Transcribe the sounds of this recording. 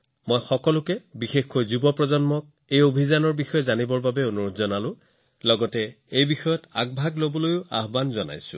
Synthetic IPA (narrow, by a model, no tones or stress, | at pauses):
mojxɔkɔlʊkɛbixexkojzubɔpɹɔzɔnmɔk̚ | ejobʱizanɔɹbixɔjɔzanibɔɹbabɛonuɹotzɔnalʊ̃ | lɔɡɔtɛ | ejbixɔjɔta̰ɡ̚bʱaɡlobɔlojʊa̰ɦbanzɔna̰jsʊ̰̃